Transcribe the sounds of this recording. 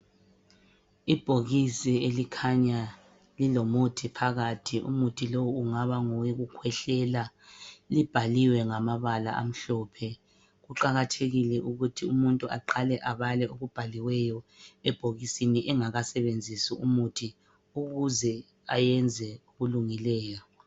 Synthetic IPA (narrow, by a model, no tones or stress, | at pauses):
ib̥ʱoɣisielikʰaɲa | lilomutʰipʰaɣatʰiʔṵmutʰilowuŋaβaŋɔwiɣukʰwɛɬɛla | lib̥ʱaliwɛŋamaβala̰ʔa̰m̩ɬɔːpʰɛ | ɣuǃaɣatʰeɣilɛʔuɣutʰiumuntʼuʔaǃalɛʔaβalɛʔoɣub̥ʱaliwɛjɔɛb̥ʱoɣisiniʔɛŋaɣasɛβend͡zʱisiumutʰi | uɣuzɛ | ajɛnd͡zʱɛuɣuluŋilɛːjɔ